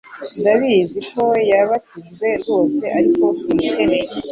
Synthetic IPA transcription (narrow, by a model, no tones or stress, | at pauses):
ndaβiːzikowjaβatinɡwe̞ɾɡo̞ːse̞ʔaɾiko̞siteɾe